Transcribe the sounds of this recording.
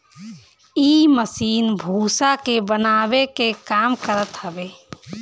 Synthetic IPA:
iːməsiːnbʱuːsakebənaːwekekaːmkəɾət̪həbeː

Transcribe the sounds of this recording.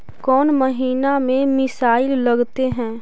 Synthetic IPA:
kɔːnməɦiːnamẽmɪsaːɪlːɐɡt̪eɦɛ̃ː

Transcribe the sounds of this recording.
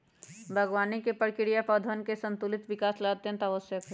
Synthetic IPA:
bʱəɡʋaːnikepəɾkɪɾijapɔd̪ʱənkesə̃nt̪ulɪt̪ʋɪkaːslɐət̪jə̃nt̪aʋəsjək

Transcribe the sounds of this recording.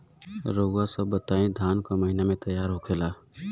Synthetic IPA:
ɾoːɡasəbːət̪aːẽd̪ʱaːnkaməɦinamẽt̪əjːaːɾɦoːkʰeːlaː

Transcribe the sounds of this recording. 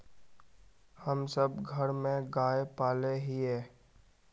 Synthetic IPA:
həmsəbɡʱəɾmẽɡaːepaːleɦiɦɛː

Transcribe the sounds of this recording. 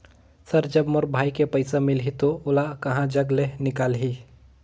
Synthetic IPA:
sɐɾd͡ʒɐbmʊɾbʱaːikepəɪsamɪlɦit̪oʊlakɐɦãd͡ʒɐɡlenɪkaːlɦi

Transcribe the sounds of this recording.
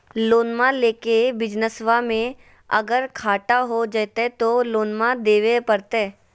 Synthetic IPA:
loːnmãleːkebɪd͡ʒnəsʋamẽ | ɐ̰ɡəɾkʰaːʈaɦod͡ʒət̪et̪oloːnmãd̪eːʋepəɾt̪eː

